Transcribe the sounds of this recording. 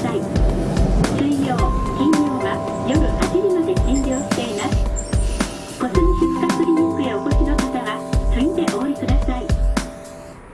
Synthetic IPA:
ai | sɨijoːkʲĩɲjoːβajo̞ɾɯ̟haʑiɾʲimad̪e̞ɕʲĩɲɾʲo̞ːɕi̥t̪e̞imasɨ̥ | ko̞sɨniɕɨkkakɯɾʲimokɯeoko̞ɕino̞kat̪aβatɨɲʲid̪e̞ʔo̞ːɾʲikɯd̪asai

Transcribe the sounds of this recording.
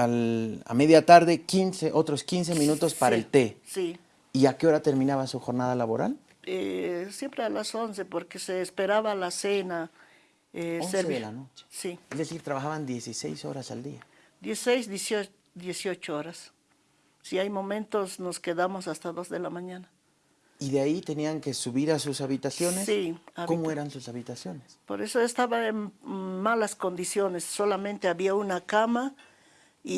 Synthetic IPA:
ala̰me̞ðjat̪aɾðe̞kinseʔo̞t̪ɾo̞skins̬emĩnut̪o̞spaɾaelt̪e̞si | iakeo̞ɾat̪e̞ɾmĩnaβasuxo̞ɾnað̞alaβo̞ɾa̰l | esjempɾealaso̞nse̞poɾkeseːspeɾaβalasena | eoseseelanot͡ʃe̥siezðesiɾt̪ɾaβaxaβand̪je̞sise̞̰jso̞̰ɾasald̪ia | d̪jesisejsd̪jeso | d̪jesiot͡ʃooɾasː | iajmo̞mẽ̞nt̪osnoskeðamosast̪aðo̞zðe̞lamãɲãna | iðeait̪e̞niaŋke̞suβiɾasusaβit̪asjo̞nesiakmoeɾansusaβit̪asjo̞nespo̰ɾe̞so̞est̪aβaenmalasko̞nd̪isjonesːolamẽnt̪eaβiaunakama | i

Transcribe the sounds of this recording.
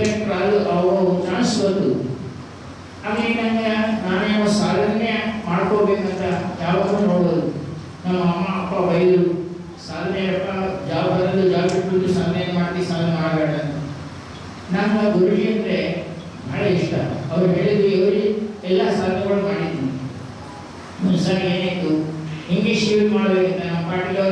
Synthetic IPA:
ɐɾek̚ʈɾaːɡuʔɐʋɾot͡ʃaːnsbɐnd̪u | aŋɐɾenɐŋɡɐnaːnaɐsaːd̪ʱɐnjɐmaːɽkoːbeːkɐnt̪ɐjaːʋaːd̪ɾunoːɽboːd̪u | nɐmːɐɐmːɐːpːɐbɐjd̪u | saːd̪ɐnjɐɐpːɐd͡ʒaːʋbɐnɐd̪ud͡ʒaːbiʈːut̪ːusaːd̪njɐɐnmaːɽʈ̪isaːd̪nɐmaːɽbeːɽɐnt̪ɐ | nɐmːɐɡuɾud͡ʒɐnɾe | maːɽɐiʂʈɐɐʋɐɾɦe̞ːɭid̪uɛʋɐɾuɛlːasaːd̪njɐɡɐɭumaːɽid̪ːini | munsaːɾieːnaːjit̪ːuiŋɡliʂiʋlmaːɽbekɐnt̪ɐnɐmːɐpaːʈila

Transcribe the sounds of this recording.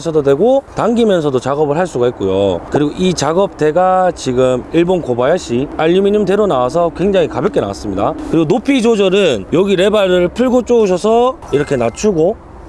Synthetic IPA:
sʰʌdodwe̞ɡotaŋɡimjʌnsʰʌdot͡ɕaɡʌbɯɭɦaɭs͈uɡait̚k͈ojo̰kɯɾiɡoʔit͡ɕaɡʌp̚t͈e̞ɡat͡ɕiɡɯmiɭbonkobajaɕ͈iaʎːumiɲimte̞ɾonawasʰʌkwe̞ŋd͡ʑaŋikabjʌk͈e̞na̰wa̰s͈ɯmɲidakɯɾiɡonopʰid͡ʑod͡ʑʌɾɯnjʌɡiɾe̞baɾɯɭpʰɯɭɡot͡ɕ͈ouɕ̬ʰʌsʰʌ | iɾʌkʰe̞nat͡ɕʰuɡo

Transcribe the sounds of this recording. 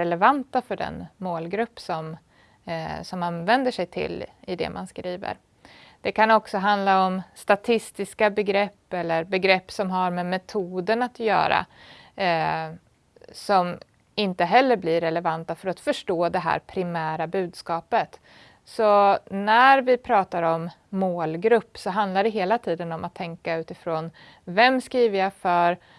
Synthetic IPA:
ɛlɛvant̪afœɖɛ̰nmoːlɡɾɵpːsɔm | sɔmanvɛnd̪əʂɛjt̪ʰɪ̰lːɪd̪ɛ̰mʔa̰nskɾiːvə̰ɾ | d̪̥ɛkʰanɔksɔɦand̪laɔmst̪at̪ʰɪst̪ɪskabɛɡɾɛpːɛlːəɾbɛɡɾɛpːsɔmɦaɾmɛmɛt̪ʰuːd̪əɳat̪jœ̰ːɾa̰ | sɔm | ɪnt̪əɦɛlːəɾblɪɾɛlɛvant̪afœɾat̪fœʂʈoːd̪ɛɦæ̰ːɾpʰɾɪmæːɾabʉ̟ːd̪skɑːpət̪ | sɔnæɾvɪpʰɾɑːt̪aɾɔmːoːlɡɾɵpːsɔɦand̪laɖɛɦeːlat̪ʰiːd̪ənɔmʔat̪ʰːɛŋkaʉ̟ːt̪ɪfɾoːn | vɛmskɾiːvəɾjafœɾ

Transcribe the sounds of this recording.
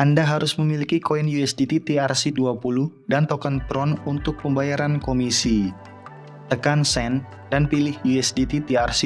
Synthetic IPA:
ʔandaɦaɾʊsməmilikikoinjuɛsdit̪it̪iarsiduapuluh | dant̪ɔkant̪ɾɔnunt̪ʊk̚pəmbajaɾankomisi | t̪əkansɛn | danpilɪhjuɛsdit̪it̪iarsi

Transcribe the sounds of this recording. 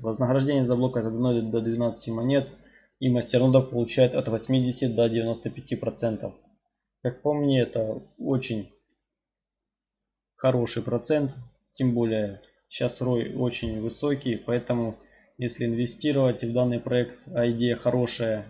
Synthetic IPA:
vɐznəɣɾɐʐdʲenʲɪjəzɐblˠo̞kət̪əd̪ɐnod̪ʲɪt̪d̪əd̪vʲɪnat̪sɨ̥tʲɪmɐnʲe̞t̪ | iməsʲtʲɪrnod̪əpɐlˠʊt͡ɕæjɪt̪ɐt̪vɐsʲmʲidʲɪsʲtʲɪd̪ədʲɪvʲɪno̞st̪əpʲɪtʲipɾɐt̪sɛnt̪əf | kak̚pɐmnʲeɛt̪əot͡ɕɪnʲ | xɐɾo̞ʂɨjpɾɐt̪sɛnt̪ | tʲːɪmbo̞lʲɪjə | ɕasro̞jo̞t͡ɕɪnʲvɨsokʲɪjpɐɛt̪əmʊ | jesʲlʲɪɪnvʲɪsʲtʲiɾəvətʲvd̪anːɨjpɾɐɛkt̪ɐɪdʲejəxɐɾʔo̞ʂəjə

